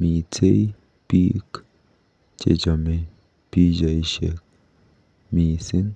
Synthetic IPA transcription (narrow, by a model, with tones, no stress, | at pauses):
miː˨t͡sʰe˦j | pi˦k | t͡ʃḛ˨d͡ʒame˨ | pi˦d͡ʒa˨iʃḛk̚ | miːsi˦n